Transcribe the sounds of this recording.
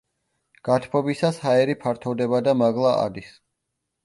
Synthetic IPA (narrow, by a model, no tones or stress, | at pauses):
ɡ̥at̪ʰpʰɔbisashaɛɾipʰaɾt̪ʰɔvd̪ɛbad̪amaɡlˠaa̰d̪is